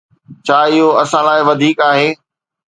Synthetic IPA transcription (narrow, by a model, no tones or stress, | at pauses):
t͡ɕʰaːɪɦoɐsãlaːɪʋɐd̪ʱiːkaːɦeː